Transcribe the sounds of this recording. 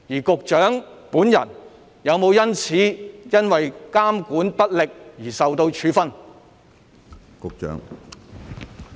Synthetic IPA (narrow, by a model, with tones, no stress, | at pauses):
jiː˨˩kʊ˨k̚t͡ʃœː˨˥ŋpuː˨˥njɐ̰˨˩n | jɐ˨˧wmo˨˧wjɐ˥nt͡sʰiː˨˥jɐ˥nwɐ˨jkaː˥mkuː˨˥npɐ˥t̚lɪ˨k̚jiː˨˩sɐ˨wt̪o˧wt͡ʃʰyː˨˧fɐ˥n | kʊ˨k̚t͡ʃœ̰ː˨˥ŋ